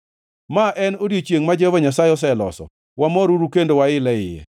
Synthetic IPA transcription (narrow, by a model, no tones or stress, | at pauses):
maʔɛnodjet͡ʃjeŋmad͡ʒɛvɔɲasajɔs̬ɛlɔ̰sɔ̰ | wamɔɾuɾukendowaɪlɛɪjɛ̰